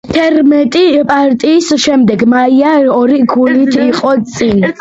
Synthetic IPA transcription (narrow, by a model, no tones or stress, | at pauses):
t̪ʰɛɾmɛt̪ʼipʼaɾt̪ʼiːsʃɛmd̪ɛɡmaiaɔɾiɡulit̪ʰiqʼɔt̪sʼin